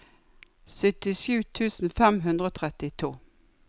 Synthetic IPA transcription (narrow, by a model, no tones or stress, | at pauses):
sœt̪ɪʃʉːt̪ʰʉːsn̩fɛmɦʉnd̪ʁəoːt̪ʰʁɛt̪ɪt̪ʰuː